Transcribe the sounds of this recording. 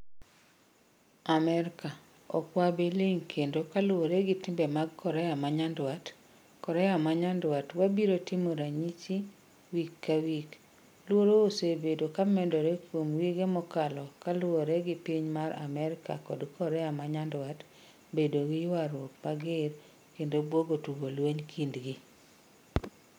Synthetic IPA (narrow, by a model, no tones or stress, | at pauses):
amɛɾka | ɔ̰kwabiliŋkʰendokalwoɾeɡɪtɪmbɛmaɡ̚kɔɾɛamaɲandwat | kɔɾɛamaɲandwatwabiɾotimoɾaɲit͡ʃi | wikːawik | lwoɾoosebedokamɛndoɾekwomwiɡemɔkalɔkalʊoɾeɡɪpiɲmaɾa̰mɛɾɪka̰kɔdkɔɾɛamaɲandwat | bedoɡɪjwaɾwok̚maɡɪɾ | kendobwoɡotuwolweɲkʰindɡi